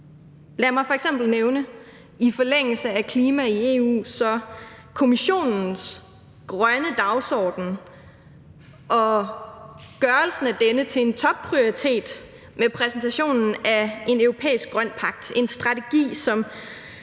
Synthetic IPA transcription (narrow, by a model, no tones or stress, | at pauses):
læːɐmɑ̈ɪfɒ̽eɡ̥sem̰b̥l̩neʊnə | ifɒ̽leŋ̰l̩səækʰliːmæie̝ːṵːsɒ̽ | kʰo̝miɕo̝̰ːnn̩s | ɡ̥ʁɶnəd̥ɑ̈ʊsɒ̰ːd̥n̩ | ʔɒ̽ | ɡ̥ɶɐlsn̩æd̥enət͡sʰe̝ent͡sʰɒ̽b̥̚pʰʁioʁit͡sʰe̝̰ːd̥ | mepʰʁɛsn̩t͡sʰæɕo̝̰ːnn̩æe̝nøʊʁo̝pʰḛːisɡ̥̚ɡ̥ʁɶn̰pʰɑ̈ɡ̥̚d̥e̝nsd̥ʁɑ̈t͡sʰe̝ɡ̥ḭːsɒ̽m